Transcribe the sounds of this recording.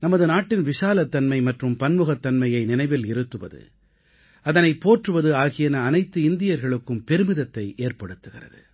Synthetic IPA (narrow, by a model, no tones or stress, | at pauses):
nɐmɐðɯnaːʈːɪnʋɪʂaːlɐt̪ːɐnmɐɪmɐʈrɯmpɐnmɯɣɐt̪ːɐnmɐjɐɪnɪnɐɪʋɪlɪɾɯt̪ːɯʋɐ̰ðɯ̰ | ɐðɐnɐɪpːoːʈrɯʋɐðɯaːɣɪjɐnɐːnɐɪt̪ːɯɪnd̪ɪjɐɾɣɐɭɯkːɯmpɛɾɯmɪðɐt̪ːɐɪʔeːɾpɐɽɯt̪ːɯɣɪrɐ̰ðɯ̰